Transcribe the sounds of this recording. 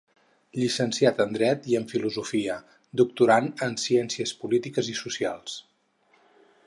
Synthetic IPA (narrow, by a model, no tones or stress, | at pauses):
ʎisənsiat̪ənd̪ɾɛt̪iəɱfiluzufiə | d̪uk̚t̪uɾanənsiɛnsiəspulit̪ikəzisusialˠs